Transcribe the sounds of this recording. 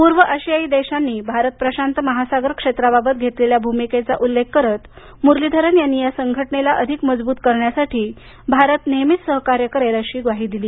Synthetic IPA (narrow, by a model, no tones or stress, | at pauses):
puɾʋəʔəɕijaiːd̪eɕanːiːbʱaɾət̪̚pɾəɕant̪əməɦasaɡəɾkʂet̪ɾababət̪̚ɡʱet̪leljabʱumiket͡sa̰ʔulːek̚kəɾət̪ | muɾlid̪ʱəɾənjanːijasəŋɡʱəʈɳelaʔəd̪ʱikməd͡zbuːt̪kəɾɳjasaʈʰiː | bʱaɾət̪nemit̪səɦkaɾjəkəɾelaɕiːɡʋaɦiːd̪iliː